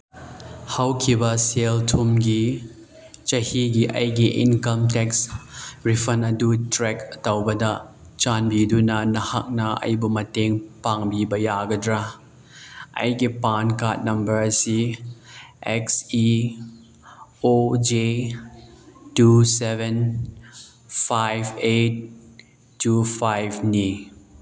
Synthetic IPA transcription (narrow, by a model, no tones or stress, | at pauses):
hɐwkʰibɐseltʰumɡi | t͡ʃɐhiɡiʔɐ̰jɡiʔḭnkɐmtɛksɹifʰɐnɐdutɾɛkɐtɐwbɐdɐ | t͡ʃanbidunɐnɐha̰k̚nɐɐ̰jbumɐteŋpaŋbibɐjaːɡɐdɾa | ʔɐ̰jkipankat̚nɐmbɐɾsi | ʔɛksi | od͡ʒe | tusɛvɛn | fajvet̚ː | ufajvni